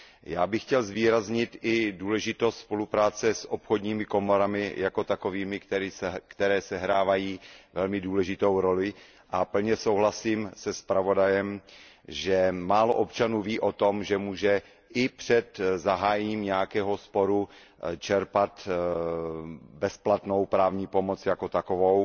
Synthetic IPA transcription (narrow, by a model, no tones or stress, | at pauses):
jaːbɪxcɛlzviːɾazɲɪt̪ʔɪduːlɛʒɪt̪ost̪spo̞lupɾaːt͡sɛsʔopxo̞dɲiːmɪko̞mo̞ɾamɪjako̞t̪ako̞viːmɪkt̪ɛɾikt̪ɛɾɛːsɛɦɾaːvajiːvɛlmɪduːlɛʒɪt̪o̞wɾo̞lɪ | ʔapl̩ɲɛsowɦlasiːmsɛspɾavo̞dajɛm | ʒɛmaːlo̰ʔopt͡ʃanuːviːʔot̪o̞mʒɛmuːʒɛ | ʔɪpr̝̥ɛt̪zaɦaːjɛɲiːmɲɛjakɛːɦo̞spo̞ɾu | t͡ʃɛɾpat̪ | bɛsplat̪no̞wpɾaːvɲiːpo̞mo̞t͡sjako̞t̪akovow